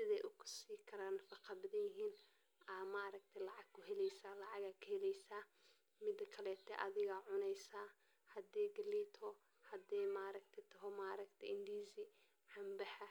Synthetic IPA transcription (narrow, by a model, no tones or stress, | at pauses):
sɪðɛjʔʊkʰʊ̥siːkʰɐɾaːnɐfɑqɑbɐðɐjɪɦiːn | ʔɐmaːɾɐɡ̚t̪ʰɛlɑʕɑɡkʰʊɦɛlɛjsaːlɑʕɑɣaːkʰɐhɛlɛjsaː | mɪd̪ɐkʰɐlɛːt̪ʰɛʔɐðɪɣɐʕʊnɛjsaː | hɐd̪ɛːɡɐliːt̪ʰɔ | hɐd̪ɛːmaːɾɐɡ̚t̪ʰɛt̪ʰɔɦɔmaːɾɐɡt̪ʰɛɪnd̪iːzɪ | ħɑmbɐħɐ